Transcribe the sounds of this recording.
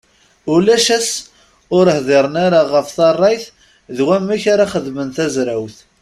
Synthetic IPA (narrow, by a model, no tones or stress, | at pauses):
ʊlæʃæs | ʊɾhðˤɪɾˤənaɾaʁəfθɑrˤːɑjθ | ðwæmːiçaɾaχəðmənt̪æzɾæwθ